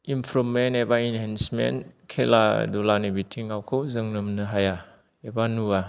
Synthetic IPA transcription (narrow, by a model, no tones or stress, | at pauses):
impʰɾɔmenebainɦɛnsmḛnkʰela̰dulanibitʰiŋawkʰɯwzɯŋnɯmnɯɦaja | ebanua